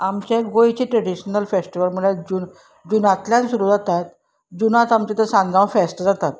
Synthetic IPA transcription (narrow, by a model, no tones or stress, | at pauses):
amɕẽɡojt͡ɕiːʈɾəɽiɕənəlfesʈiʋəlm̤əɭad͡ʑuːn | d͡ʑunat̪ljãnsuɾuːd͡zat̪at̪ | d͡ʑunat̪amt͡ɕet̪əɾsãŋɡʱãʋfesʈd͡zat̪at̪